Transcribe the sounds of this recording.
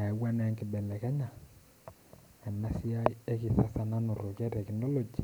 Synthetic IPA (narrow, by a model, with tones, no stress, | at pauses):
a˨˦wa˦nɛ˨˦ŋkɪ˨bɛ˨lɛ˨kɛ˦ɲa˨ | ɛ˨na˦si˦a˦ie˦ki˨sa˦sa˦na˦no˨ɾo˨kɛ˦tɛ˨ki˨no˦lo˨d͡ʒi˨